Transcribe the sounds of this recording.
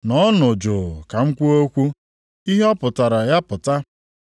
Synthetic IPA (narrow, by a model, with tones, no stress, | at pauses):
nɔ˦no˨d͡ʒo˨ka˨ŋ̩˦kʷu˦o˦kʷu˦ | i˦ɦe˦ɔ˦pʊ˨ta˨ɾa˨ja˦pʊ˨ta˦